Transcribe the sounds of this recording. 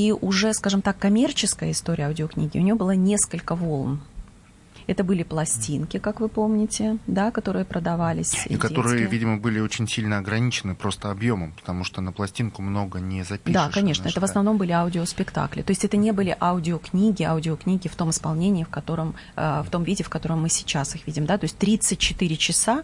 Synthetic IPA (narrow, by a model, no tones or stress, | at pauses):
iʔʊʐɛskaʐɨmt̪akːɐmʲe̞rt͡ɕɪskəjəɪst̪o̞ɾʲɪ̰əɐʊdʲɪoknʲiɡʲɪ̰ʊnʲɪjobɨlˠanʲe̞skəlʲkəvo̞lˠm | ɛt̪əbɨlʲɪplˠɐsʲtʲinkʲɪkakvɨpo̞mnʲɪtʲɪd̪akɐt̪o̞ɾɨjəpɾəd̪ɐvalʲɪsʲikɐt̪o̞ɾɨjəvʲidʲɪməbɨlʲɪot͡ɕɪnʲsʲilʲnəɐɡɾɐnʲit͡ɕɪnɨpɾo̞st̪əɐbjo̞məmpə̥t̪ɐmuʂt̪onəplˠɐsʲtʲinkʊmno̞ɡənʲɪzɐpʲdiʂakɐnʲe̞ʂnəɛt̪əvəsnɐvno̞mbɨlʲɪaʊdʲɪospʲɪkt̪a̰klʲɪ̰t̪o̞ɪsʲtʲɛt̪ənʲe̞bɨlʲɪʔaʊdʲɪoknʲiɡʲɪaʊdʲɪoknʲiɡʲɪft̪o̞mɨspɐlˠnʲenʲɪːfkɐt̪o̞ɾəm | əft̪o̞mvʲidʲɪfkɐt̪o̞ɾəmːɨsʲɪ̥t͡ɕasɨxvʲidʲɪmd̪at̪o̞ɪsʲtʲt̪ɾʲit̪sɨt̚ʲt͡ɕɪt̪ɨɾʲɪt͡ɕɪsa